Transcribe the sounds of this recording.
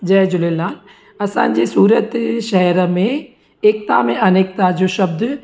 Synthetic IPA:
d͡ʒɐːd͡ʒʊlelaːl | ɐsã̰ːnd͡ʒisuːɾət̪ʃɐɦɾmẽ | eːk̚t̪a̰ːmẽɐneːk̚t̪aːd͡ʒoːʃɐb̚d̪

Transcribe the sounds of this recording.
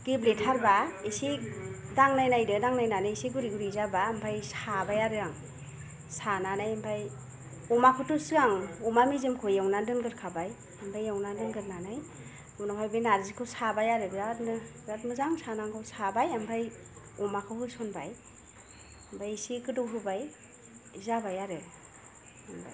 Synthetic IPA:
ɡ̥ibletʰaɾbaesidaŋnajnajdɯdaŋnajnanajisiɡuɾiɡuɾizabaːmbʰajsabajaɾɯɾaŋ | sananajambʰaj | ɔmakʰɯtusɯɡaŋɔmamizɯmkʰojawnandɯnɡɯɾkʰabaj | ambʰajawnandɯnɡɯɾnanaj | wnaɦajbajnaɾzikʰɯwsabajaɾebzadnɯzatmɯzaŋsanaŋkʰɯwsabajambʰaj | ɔmakʰɯwhɯsɔnba̰j | ambʰʱajsikɯdɔwɦɯbaj | zabajaɾe | amba̰j

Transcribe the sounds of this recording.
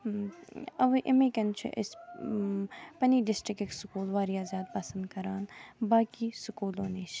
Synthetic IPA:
ɐʋiʔɪmẽkɐnt͡ʃʰḭʔɪs | pɐniːɖɪsʈɾɪkeksʊkuːlʋaːɾijaːzʲjaːd̪̚pɐsə̃nd̪kɐɾaːnbaːkisʊkuːloːniːt͡ʃʰ

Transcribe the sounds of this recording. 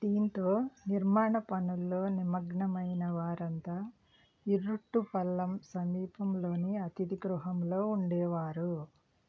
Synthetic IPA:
d̪iːnt̪o̞ːniɾmaːɳɐpɐnulːo̞ːnimɐɡɳɐmɐjnɐʋaːɾɐnt̪aː | iɾːuʈːupɐlːɐmsɐmdiːpɐmlo̞ːniɐt̪id̪iɡɾuɦɐmlo̞ːuɳɖɛːʋaːɾu

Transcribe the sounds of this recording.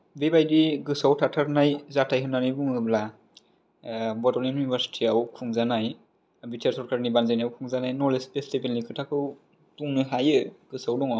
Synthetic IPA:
bebajdiɡɯsawtʰatʰaɾnajzatʰajɦɯnːanɯjbuŋɯbla | bɔɾtɔlenjunibʱaɾsi̥tʰiawkʰuŋzanaj | bitʰeɾsɔɾkaɾnibanzajnawkʰuŋzanajnɔlespestebelːikʰɯtʰakʰɯw | tuŋnɯɦajɯɡ̥ɯsawdɔŋɔ

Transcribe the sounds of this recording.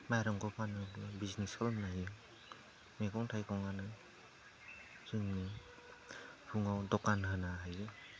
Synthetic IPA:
majɾɯŋkɔpʰanɯklabiznisɔlnajɯ | mekɔŋtʰajkʰɔwŋanɯ | z̥ɯŋnɯ | pʰuŋawdɔkanɦɯnaɦajɯ

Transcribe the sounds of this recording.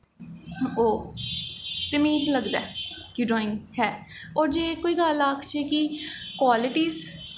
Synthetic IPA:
oː | t̪emĩːləɡd̪a̰ːkiɖaːɪ̃ŋɡɦɛːoːɾd͡ʒeːkoːiːɡalaːkʰt͡ʃeːkikwaːlɪʈiːz

